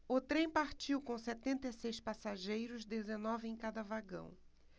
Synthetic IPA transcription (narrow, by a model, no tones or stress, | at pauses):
ʊt̪ɾẽj̃paɾt͡ʃiwkõw̃sɛt̪ẽnt̪esejspasaʒejɾʊzd̪ezenɔvɪẽj̃kad̪ɐvaɡɐ̰̃w̃